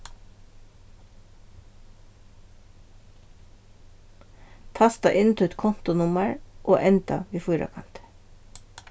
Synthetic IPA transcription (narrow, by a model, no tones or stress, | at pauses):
t̪ʰɑst̪ɑʔɪnt̪ʰʉt̪kʰɔnt̪ʊnʊməɹʔoːʔɛnt̪ɑ̰ʋiːfʊːɾɑ̰kʰɑnt̪